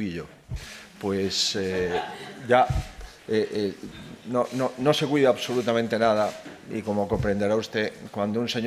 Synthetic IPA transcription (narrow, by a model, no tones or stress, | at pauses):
iʎo | pwese | ʝa | eʔ | nõnõnõsekwiðaβsolut̪amẽnt̪enað̞a | ḭkomokompɾẽnd̪eɾaust̪ekwand̪ounseɲ